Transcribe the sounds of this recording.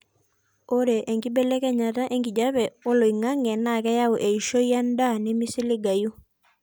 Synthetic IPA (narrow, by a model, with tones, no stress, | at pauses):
o˦ɾe˨ʔe˨ŋɡi˦be˦lɛ˦kɛ˦ɲa˨ta˦ʔe˦ŋɡi˨d͡ʒa˦βɛ˨o˦lo˨i˨ŋa˦ŋɛ˨na˨kɛ˦ja˦u˨ʔe˨i˨ʃo˦ja˦nda˦ni˦mi˦si˦li˦ɡa˨ju˦